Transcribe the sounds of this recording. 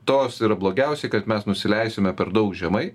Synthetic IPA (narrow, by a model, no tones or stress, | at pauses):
t̪oːsiːɾɐblˠoːɡʲɛʊsʲɛɪkɐt̪mʲɛsnʊsʲɪlʲɛɪsʲomʲɛpʲɛɾd̪ɐʊkʒʲɛmɐɪ